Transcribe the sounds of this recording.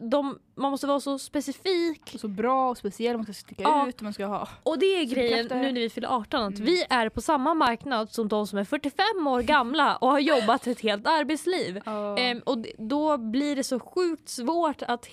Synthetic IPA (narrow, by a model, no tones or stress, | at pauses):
d̪ɔmː | anmɔst̪əvɑːɾasɔspɛsɪfiːksɔbɾɑːɔspɛsɪɛlːmanskast̪ɪkːaɑːʉːt̪manskahɑ̰ːɔd̪ɛæɡɾɛjːənːʉ̟ːnæɾvɪfɪlːa̰ʔɑːʈɔnat̪vɪæɾpʰɔsamːamaɾknad̪sɔmd̪ɔmsɔmæɾfœʈːɪfɛmːoːɾɡamlaɔhaɾjɔbːat̪ːɪɛt̪heːlt̪aɾbɛːt̪sliːvʔɔd̪ɔblɪɖɛsɔɧʉ̟ːk̚t̪svoːʈat̪